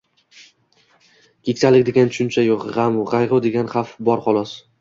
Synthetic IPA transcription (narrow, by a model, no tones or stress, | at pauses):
kʲʰekʲsalɪkʲd̪eɡʲant͡ʃʰʊ̥ʃʊnt͡ʃʰajoqʁamʊʁɑjʁʊd̪e̞ɡʲanχɑfbɒɾχɒlˠɒs